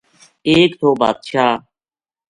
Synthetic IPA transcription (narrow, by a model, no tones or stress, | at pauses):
eːkt̪ʰoːba̰ːd̪ʃaː